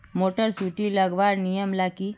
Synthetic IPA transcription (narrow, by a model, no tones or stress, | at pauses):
moʈəɾsuʈiləɡʋaɾnijəmlaki